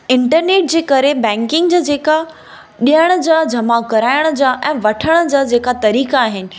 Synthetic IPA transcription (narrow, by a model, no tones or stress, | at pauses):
ɪ̃ɳʈəɾneːʈ̚d͡ʑeːkɐɾebɛ̃ːŋkɪ̃ŋɡd͡ʑaːd͡ʑeːka | ɗijəɽ̃əd͡ʑaːd͡ʑʱɐmakɐɾaːɪɽ̃ə̆d͡ʑaːʔɛ̃ːʋɐʈʰəɽ̃ə̆d͡ʑaːd͡ʑeːkat̪ɐɾiːkaːɦɪnɪ̆